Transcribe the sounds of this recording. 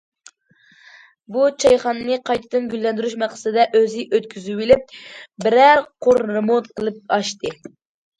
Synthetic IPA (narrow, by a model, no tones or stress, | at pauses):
but͡ʃʰɑjχɑnːɨqʰɑjt̪ʰɨd̪ɨnɡʲylːɛnd̪yɾyʃmæqsɨɨd̪ɛʔøzɪʔøt̪kʲʰyzywilɪp̚bɪɾæɾqʰoɾɨmot̪qʰəlˠɨp̚ɑʃt̪ɨ